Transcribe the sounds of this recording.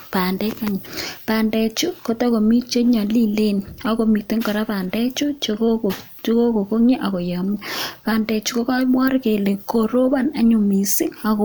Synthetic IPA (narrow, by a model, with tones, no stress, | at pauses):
pa˨ndɛ˦ka˦ɲ˨pa˨ndɛ˨t͡ʃu˦ko˦ta˦ko˨mi˦t͡ʃe˦ɲa˨li˦le˦n˨a˨ko˨mi˨te˦ŋkɔ˨ɾa˦pa˨ndɛ˦t͡ʃu˦t͡ʃ | t͡ʃo˦ko˦ko˨ko˦ŋe˦ʔa˨ko˨ja˨m˦pa˨ndɛ˨t͡ʃu˦ko˦ka˦mwɔ˦ɾke˨le˨ko˨ɾo˦βa˦˨na˦ɲo˨mi˨si˦a˨k